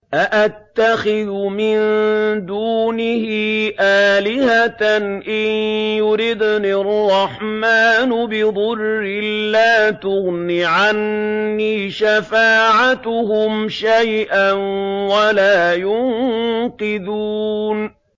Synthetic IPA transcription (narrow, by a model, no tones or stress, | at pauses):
ʔaʔat̪ːaxɪðʊmɪnd̪uːnɪhiːʔaːlɪhat̪anʔɪnjʊɾɪd̪nirˤːɑħmaːnʊbɪðˤʊrːɪllːaːt̪ʊɣnɪʕanːiːʃafaːʕat̪ʊhʊmʃajʔanwalaːjʊŋqɪðuːn